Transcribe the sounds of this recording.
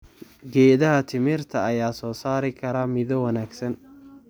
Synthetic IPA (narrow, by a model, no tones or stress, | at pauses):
ɡɛːðɐɦɐt̪ʰɪmɪrt̪ʰɐɐjaːsɔːsaːɾɪkʰɐɾaːmɪðɔwɐnaːɡsɐn